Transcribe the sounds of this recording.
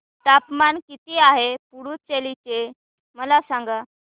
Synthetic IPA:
ʈ̪apmankit̪iaɦepuɽut͡ɕelit͡ɕe | məlasaŋɡa

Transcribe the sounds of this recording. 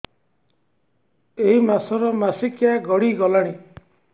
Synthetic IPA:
eɦimasɔɾɔmasikjaɡɔɽiɡɔlaɽ̃i

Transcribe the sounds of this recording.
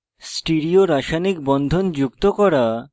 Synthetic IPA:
sʈiɾioɾaʃanikbɔnd̪ʱond͡ʑukt̪okɔɾa

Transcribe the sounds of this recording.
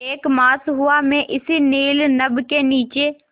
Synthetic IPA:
eːkmaːsɦʊamẽʔɪsineːlnəbkeniːt͡ʃeː

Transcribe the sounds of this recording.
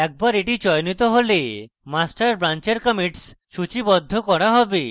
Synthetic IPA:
ɛk̚baɾeʈit͡ʃɔjnit̪ɔɦole | masʈaɾbɾant͡ʃeɾkəmiʈsʃut͡ʃibɔd̪ʱːɔkɔɽaɦɔbi

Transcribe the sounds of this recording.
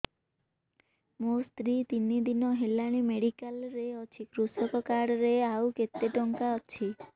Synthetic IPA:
most̪ɾit̪inid̪inɔɦelaɽ̃imeɽikalɾeɔt͡ʃʰikɾusɔkɔkaɽɾeawket̪ːeʈɔŋkaɔt͡ʃʰi

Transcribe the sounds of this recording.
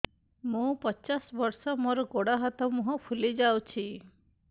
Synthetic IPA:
mũpɔt͡ʃasbɔɾsɔmoɾɔɡoɽaɦɔt̪ɔmũɦɔ̃pʰulid͡ʒawt͡ʃʰi

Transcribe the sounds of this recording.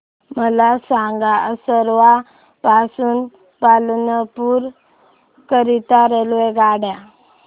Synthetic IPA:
məlasãŋɡaəsəɾʋa | pasuːn | palnəpuːɾ | kəɾit̪aɾelʋeɡaɽja

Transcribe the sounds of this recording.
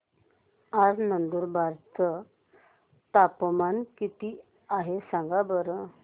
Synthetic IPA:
ad͡znənd̪uːɾbʱaɾt̪ʰə | t̪apmankit̪i | aɦesãŋɡabəɾə

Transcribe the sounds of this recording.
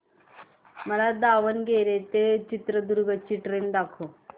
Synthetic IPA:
mɐɾad̪aːʋɐnɡeːɾet̪et͡ʃit̪ɾɐd̪uɾuɡɐt͡ʃːiʈɾend̪aːkʰo

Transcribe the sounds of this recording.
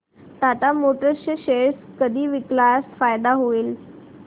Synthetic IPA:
t̪at̪amoʈəɕəɕeskəd̪ʱiːʋiklajasfajd̪aɦoiːl

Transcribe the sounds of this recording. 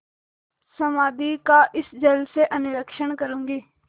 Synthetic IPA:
sɐmaːd̪ikaʔɪsd͡ʒɐlseʔɐnɪɾəkʃəɳ̃kəɾũːŋɡiː

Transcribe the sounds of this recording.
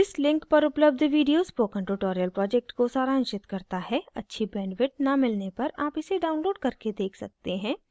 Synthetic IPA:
ɪslɪ̃ŋkpɐɾʊpləb̚d̪ʱʋiːɖijoːzpoːkə̃ɳʈuʈoːɾijəlpɾɔːd͡ʒɛk̚ʈkosaːɾãːnʃɪt̪kɐɾt̪aɦɛɐtːʃʰibɛ̃ːɳɖʋɪʈ̚nɐmɪlnepɐɾaːpɪseɖaːʊnloːɖkɐɾked̪eːkʰsɐk̚t̪eɦɛ̃ː

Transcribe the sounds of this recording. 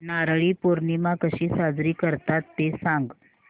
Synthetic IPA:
naɾɭiːpoɾnimakəɕiːsad͡zɾiːkəɾt̪at̪ːesãŋɡ

